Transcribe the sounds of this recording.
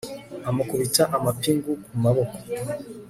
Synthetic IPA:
amakuβitaʔamapiŋɡukmumaβoko̥

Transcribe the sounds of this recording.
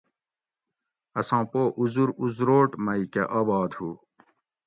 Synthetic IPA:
ɐsɑ̃ːpoːʔuzuɾuzɾoːʈmɐikḛʔɐːbɑːd̪hu

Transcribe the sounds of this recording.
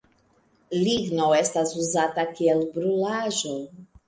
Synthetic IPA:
liɡnoestasuzatakielbɾulaʒo

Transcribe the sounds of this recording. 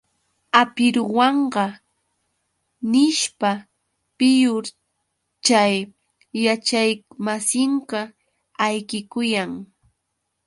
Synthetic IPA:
apɪɾʊwɑɴɢɑ | nɪʃpa | pɪjʊɾ | t͡ʃajː | at͡ʃajmasɪŋkɑ | ajkɪkʊjaŋ

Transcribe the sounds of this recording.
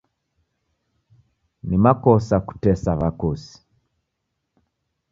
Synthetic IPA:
nimakɔsaku̥tɛsaβakosi̥

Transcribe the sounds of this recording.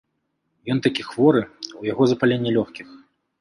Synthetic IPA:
jɔnt̪akʲixvɔɾɨujaɣɔzɐpalʲenʲːɛlʲɔxkʲix

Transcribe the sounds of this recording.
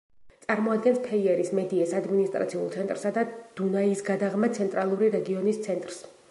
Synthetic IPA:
t̪sʼaɾmɔad̪̚ɡɛnspʰɛiɛɾismɛd̪iɛsad̪minist̪ʼɾʔa̰t̪sʰiulˠt̪sʰɛnt̪ʼɾsad̪ad̪̥unaisɡad̪aʁmat̪sʰɛnt̪ʼɾalˠuɾiɾɛɡiɔnist̪sʰɛnt̪ʼɾs

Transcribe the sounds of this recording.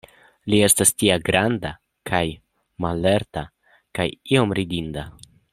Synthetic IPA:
lie̞stastiaɡɾanda | kʰaj | malːe̞ɾta | kajio̞mɾidinda

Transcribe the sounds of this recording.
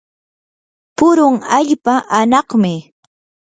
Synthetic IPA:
pʊɾʊŋaʎpaʔanɑχmɪ

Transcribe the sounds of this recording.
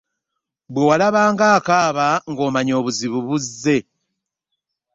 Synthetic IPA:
bwewalaβaːŋɡaːkaːβaŋɡo̞ːmaɲo̞ːβuziβuβuzːe̞

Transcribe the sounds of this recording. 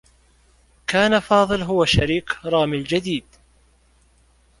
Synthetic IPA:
kaːnafɑːðˤɨlɦʊwaʃaɾiːkɾˤɑːmɪld͡ʒad̪iːd̪

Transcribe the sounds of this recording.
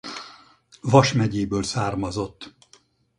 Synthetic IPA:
vɒʃmɛɟeːbøːlsaːrmɒzo̞t̪ː

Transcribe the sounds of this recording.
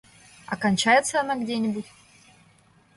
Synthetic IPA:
ɐkɐnʲt͡ɕajɪt̪səɐnaɡdʲenʲɪbutʲ

